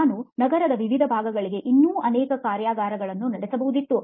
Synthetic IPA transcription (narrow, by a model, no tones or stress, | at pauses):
aːnunɐɡɐɾɐd̪ɐʋiʋid̪ʱɐbʱaːɡɐɡɐɭiɡe̞ʔinːuːʔɐnɛːkɐkaːɾjaːɡaːɾɐɡɐɭɐnːunɐɽesɐbɐɦud̪it̪ːu